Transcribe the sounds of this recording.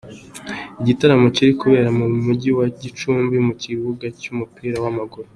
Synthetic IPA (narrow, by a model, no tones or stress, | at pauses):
iɟitaɾamo̞ciɾikuβe̞ːɾamumuɟiwaɟit͡ʃuːmbimuciβuɡacumupiːɾawamaɡuɾo